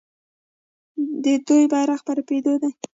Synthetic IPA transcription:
d̪əd̪ojbɑɾaxpaɾaped̪od̪a

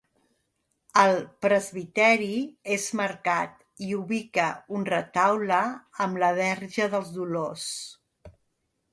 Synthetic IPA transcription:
əlˠpɾəzβit̪ɛɾiezməɾkat̪ | iuβikəunrət̪awləəmləβɛɾʒəðəlˠzðulos

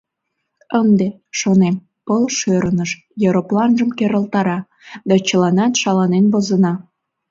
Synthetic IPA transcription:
ənd̪e | ʃonem | pəlʃøɾənəʃ | joɾoplɑnʒəmkeɾəlt̪ɑɾɑ | d̪ɑt͡ɕəlɑnɑt̪ʃɑlɑnenβozənɑ

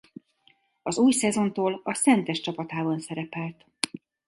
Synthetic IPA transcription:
ɒzuːjsɛzo̞nt̪oːlɒsɛnt̪ɛʃt͡ʃɒpɒt̪aːbɒnsɛɾɛpɛlt̪

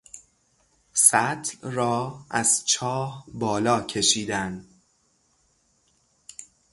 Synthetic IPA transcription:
sæt̪ʰlrɒːæzt͡ʃʰɒːhbɒːlɒːcʰe̞ʃiːd̪æn

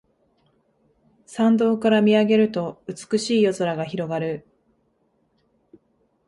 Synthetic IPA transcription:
sãnd̪o̞ːkaɾamʲiaɡe̞ɾɯ̟t̪o̞ɯ̟t͡sɨ̥kɯ̟ɕiːjo̞zoɾaɡaçiɾo̞ɡaɾɯ̟

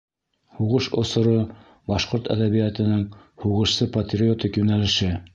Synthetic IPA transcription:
huʁɤʃŏsŏɾo | bɑʃqoɾt̪æ̰ðæβijæt̪ɘ̆nɘŋ | huʁɤ̆ʃsɤpɐt̪ʲrʲiot̪ʲikjʉnælɘ̆ʃɘ

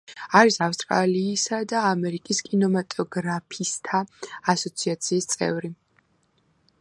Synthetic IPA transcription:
aɾisafst̪ʼɾa̰liːsad̪aːmɛɾikʼiskʼinɔmat̪ʼɔɡɾapʰist̪ʰaːsɔt̪sʰiat̪sʰiːst̪sʼɛ̰vɾi

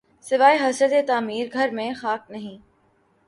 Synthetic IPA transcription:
sɪʋaːeɦɐsəd̪et̪aːmiːɾɡʱɐɾmẽxaːk̚nɐɦĩ

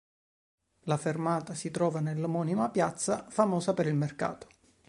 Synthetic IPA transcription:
lafermaːt̪asit̪ɾɔːvanelːomɔːnimapjat̪sːafamɔːsapeɾilmerka̰ːt̪o̥

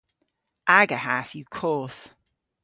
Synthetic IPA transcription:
ʔaɡəhaθjəkʰɔˑθ

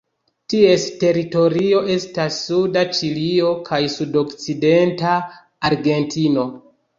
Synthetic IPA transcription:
tie̞ste̞ɾito̞ɾio̞ʔe̞stasːudat͡ʃilio̞kʰajsudo̞kt͡side̞ntaː | ɾɡe̞ntʰino̞

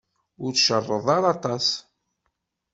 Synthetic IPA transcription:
ʊɾt͡sʃərˤːəðˤɑɾˤɑt̪ˤɑs

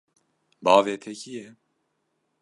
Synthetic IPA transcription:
bɑːveːt̪ʰɛcijɛ

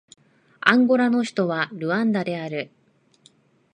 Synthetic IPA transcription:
ãŋɡo̞ɾano̞çi̥t̪o̞βaɾɯ̟ãnd̪ad̪e̞aɾɯ̟

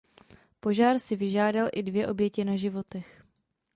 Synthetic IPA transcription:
po̞ʒaːɾsɪvɪʒaːdalʔɪdvjɛʔo̞bjɛcɪnaʒɪvo̞t̪ɛx

